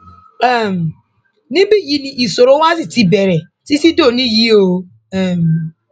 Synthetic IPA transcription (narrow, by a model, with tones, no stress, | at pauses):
ɛ˨m˨ | nĩ˦bi˦ji˦ni˨ʔi˨so˨ɾo˦wa˦zi˨ti˦be˨ɾe˨ | ti˦si˦do˦˨nĩ˦ji˦o˨ | e˨m˨